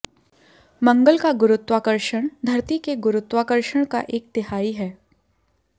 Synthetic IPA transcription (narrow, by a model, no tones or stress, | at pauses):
mɐ̃ŋɡəlkaɡʊɾʊt̪waːkəɾʃəɽ̃d̪ʱɐɾt̪ikeɡʊɾʊt̪waːkəɾʃəɽ̃ka̰ʔeːk̚t̪ɪɦaːiɦɛː